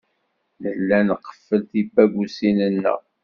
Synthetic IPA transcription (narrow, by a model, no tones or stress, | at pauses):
ləlːænəqːə̥fːəlθibæɡʷusinənːə̰